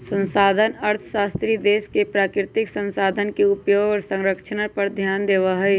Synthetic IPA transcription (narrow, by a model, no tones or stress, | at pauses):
sə̃nsaːd̪ʱənɐɾt̪ʰə̥ʃaːst̪ɾid̪eːskepɾaːkɾɪt̪ɪksə̃nsaːd̪ʱənkeʊpjoːɡɔɾsə̃ŋɾəkʃənəpɐɾd̪ʱjaːnd̪eːʋaɦəj